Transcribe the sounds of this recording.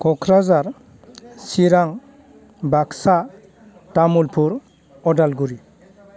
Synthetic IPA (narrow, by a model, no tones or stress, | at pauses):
kʰɔkʰɾazaɾ | siɾaŋ | baksa | tamulpʰuɾ | ɔdalɡuɾi